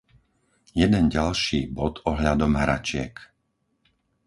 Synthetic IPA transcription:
jɛd̪ɛnɟalʃiːbɔt̪ɔɦʎad̪ɔmɦɾa̰t͡ʃɪɛ̰k

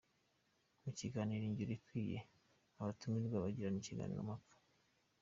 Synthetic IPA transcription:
muciɡaːniɾiɲɟiɾikwiːje̞̰ | aβatumiɾɡwaβaɟiɾaniciɡa̰ːnḭɾo̰makḁ

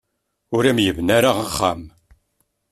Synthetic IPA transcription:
ʊɾæmjəvnaɾaʁaχːa̰m

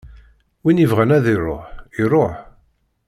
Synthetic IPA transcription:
winivʁænæðirˤo̰ħirˤoħ

